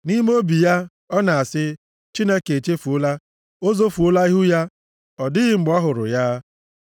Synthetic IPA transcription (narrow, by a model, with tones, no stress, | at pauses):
ni˦m˦o˦bi˨ja˦ | ɔ˦na˨a˨sɪ˦ | t͡ʃi˦ne˦ke˨e˨t͡ʃe˦fu˨o˦la˦ | o˦zo˦fu˨o˦la˦i˦ɦʊ˦ja˦ | ɔ˨dɪ˦ɣɪ˨ŋ͡m̩˨ɡ͡bɔ˦ɦʊ˨ɾʊ̰˨ja˦